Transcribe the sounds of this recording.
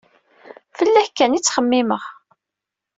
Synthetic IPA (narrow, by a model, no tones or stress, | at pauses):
fəlːæçkːænit͡sːχəmːɪməʁ